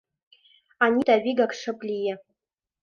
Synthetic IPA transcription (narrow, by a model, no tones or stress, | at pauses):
anʲitʼaɥiɡakʂɨpʼlʲijɛ